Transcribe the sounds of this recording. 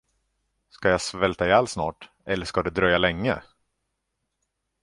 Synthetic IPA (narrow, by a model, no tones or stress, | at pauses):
skajasvɛlt̪aalsnɑːʈ | ɛlːəʂkad̪ɛd̪ɾœjːalɛŋːə̰